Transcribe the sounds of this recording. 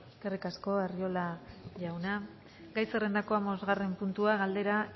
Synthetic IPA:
kerikasko̞erio̞laʝawna | ɡajsere̞nd̪ako̞amo̞zɣare̞mpunt̪uaɣald̪eɾa

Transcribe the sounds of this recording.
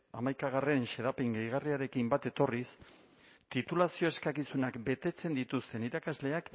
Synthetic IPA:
a̰majkaɣ̞are̞nʃe̞ðapeŋɡajɣariaɾe̞kimbat̪e̞t̪o̞ris | t̪it̪ulasio̞e̞skakisunakbe̞t̪e̞t͡se̞nd̪it̪ust̪e̞niɾakazle̞ak

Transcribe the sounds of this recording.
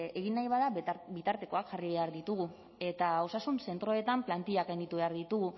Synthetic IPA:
e̞ɣinːajβaðabit̪aɾt̪e̞ko̞akʝariβe̞aɾðit̪uɣu | e̞t̪ao̞sasunse̞nt̪ɾo̞e̞t̪amplant̪iakajnit̪uβe̞aɾðit̪uɣu

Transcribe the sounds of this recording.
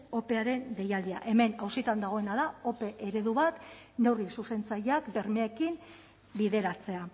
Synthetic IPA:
o̞pe̞aɾe̞nd̪e̞jald̪ia̰ʔe̞me̞nawsit̪and̪aɣo̞enaðao̞pe̞ʔeɾe̞ðuβat̪ | ne̞wrisuse̞nt͡saʎakbe̞ɾmeaekim | biðe̞ɾat͡se̞a

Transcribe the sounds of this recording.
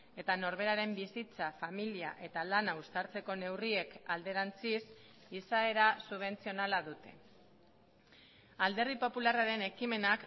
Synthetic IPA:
e̞t̪ano̞ɾβe̞ɾaɾe̞mbisit͡safamiliaʔe̞t̪alanaust̪aɾt͡se̞ko̞ne̞wrie̞kald̪e̞ɾant͡sis | isae̞ɾasuβ̞e̞nt͡sio̞nalaðut̪e̞̥ | ald̪e̞ɾðipo̞pularaɾe̞ne̞kime̞nak

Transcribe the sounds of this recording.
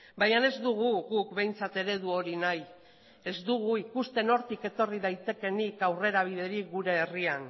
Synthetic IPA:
bajane̞zd̪uɣ̞uɣukbe̞jnt͡sat̪e̞ɾe̞ðuo̞ɾinaj | e̞zd̪uɣ̞uikust̪e̞no̞ɾt̪ike̞t̪o̞riðajt̪e̞ke̞nikawre̞ɾaβ̞iðe̞ɾikɡuɾe̞ːrian

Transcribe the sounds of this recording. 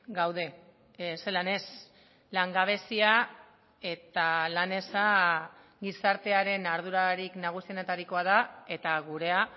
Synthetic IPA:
ɡawð̞e̞ | se̞lane̞s | laŋɡaβ̞e̞sia | e̞t̪alane̞sa | ɡisaɾt̪e̞aɾe̞naɾðuɾaɾiknaɣ̞usienet̪aɾiko̞að̞ae̞t̪aɣuɾe̞a

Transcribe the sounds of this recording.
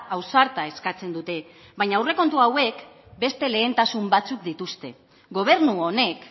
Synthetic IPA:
awsaɾt̪ae̞skat͡se̞nd̪ut̪e̞ | βajɲaːwre̞ko̞nt̪uawe̞k | be̞st̪e̞le̞ːnt̪asumbat͡sukd̪it̪ust̪e̞ | ɡo̞β̞e̞ɾnuone̞k

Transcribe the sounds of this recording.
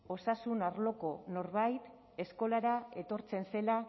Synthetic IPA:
o̞sasunaɾlo̞ko̞no̞ɾβajt̪ | e̞sko̞laɾae̞t̪o̞ɾt͡se̞nse̞la

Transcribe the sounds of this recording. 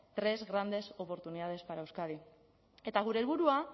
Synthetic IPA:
t̪ɾe̞zɣɾand̪e̞so̞po̞ɾt̪uniðað̞e̞spaɾaewskaði | e̞t̪aɣ̞uɾe̞ːlβuɾua

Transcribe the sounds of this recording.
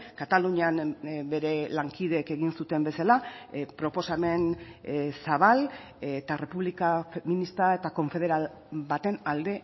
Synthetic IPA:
kat̪aluɲianbe̞ɾe̞laŋkiðe̞ke̞ɣinsut̪e̞mbe̞salapɾo̞po̞same̞n | saβ̞al | et̪are̞puβlikafeminist̪ae̞t̪ako̞ɱfe̞ð̞e̞ɾal | bat̪e̞nald̪e̞

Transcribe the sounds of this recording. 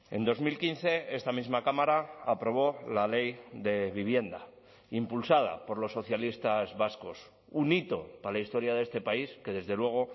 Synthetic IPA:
e̞̰nd̪o̞zmilkin̟θe̞e̞st̪amizmakamaɾaapɾo̞β̞o̞lale̞jd̪e̞βiβ̞je̞nd̪a̰ | impulsað̞a̰po̞ɾlo̞sːo̞θjalist̪azβasko̞s | unit̪o̞palaist̪o̞ɾjaðe̞st̪e̞paiske̞ðe̞zðe̞lwe̞ɣ̞o̞

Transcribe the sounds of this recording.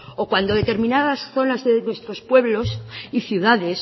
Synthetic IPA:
o̞kwand̪o̞ðe̞t̪e̞ɾmĩnaðasθo̞nazðenwe̞st̪ɾo̞spwe̞βlo̞siθjuðaðe̞s

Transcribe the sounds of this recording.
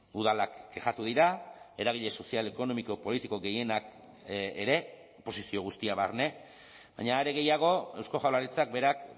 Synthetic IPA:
uðalakɡeʝat̪uðiɾae̞ɾaɣ̞iʎe̞sosiale̞ko̞no̞miko̞po̞lit̪iko̞ɣe̞je̞nakː | ɾe̞ | po̞sisio̞ɣ̞ust̪iaβarne̞ | ba̰jɲaːɾeɣe̞jaɣ̞o̞e̞wsko̞ʝawlaɾit͡sak̚be̞ɾak

